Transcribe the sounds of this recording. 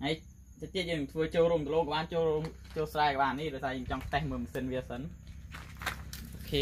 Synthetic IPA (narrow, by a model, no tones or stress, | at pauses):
həj | t͡ɕət͡ɕ̪ːiət̚jəːŋt̪ʰʋəːt͡ɕoːlɾuəmkəloːŋkɔɓaːnt͡ɕoːruəŋ | t͡ɕoːlsraɛkɔɓaːnːihɗɔjsaːjəːŋt͡ɕɑŋsʰt̪ɛhmɨːmsɨnʋiəsən | ʔoːkʰeː